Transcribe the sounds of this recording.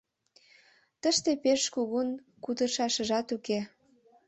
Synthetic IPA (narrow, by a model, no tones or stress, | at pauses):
t̪əʃt̪epeʃkuɣun | kud̪əʃɑʃə̆ʒɑt̪uke